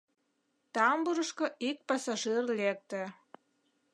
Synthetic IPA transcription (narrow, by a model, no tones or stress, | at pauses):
t̪ɑmbuɾəʃkɤ̆ʔik̚pɑsɑʒirlʲek̚t̪ĕ